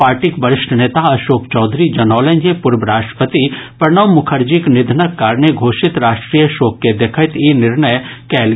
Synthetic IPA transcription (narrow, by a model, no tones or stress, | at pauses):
paːɾʈikbəɾɪʃʈʰəneːt̪aɐʃoːkt͡ʃɔːd̪ʱɾid͡ʒɐnɔːlẽnd͡ʒepʊɾbəɾaːʃʈɾə̥pət̪ipɾɳəʋmʊkʰəɾd͡ʒiknɪd̪ʱnəkːaːɾneɡʱoːʃɪt̪ɾaːʃʈɾiːjəʃoːkːed̪ekʰət̪inɪɾɳəjkɛːl